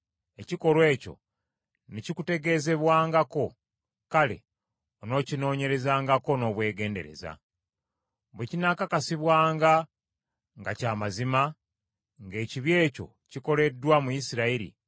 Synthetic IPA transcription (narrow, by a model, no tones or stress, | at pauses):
e̞ciko̞ɾwe̞ːco̞̰ | necikute̞ɡe̞ze̞βwaːŋɡako̞ | kale̞̰ | ono̞ːcino̞ːɲe̞ɾe̞zaːŋɡako̞no̞ːβwe̞ːɡe̞ːnde̞̰ɾe̞̰za̰ | βwecinakakasiβwaːŋɡa | ŋɡacaːmazima | ŋɡe̞ːciβje̞ːco̞̰ | ciko̞le̞dːwamujisiɾaiɾḭ